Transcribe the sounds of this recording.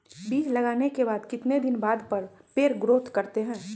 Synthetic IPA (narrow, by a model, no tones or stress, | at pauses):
biːd͡ʒlɐɡaːnekebaːd̪kɪt̪ned̪ɪnbaːd̪pɐɾpeːɾɡɾoːt̪ʰkɐɾt̪eɦɛ̃ː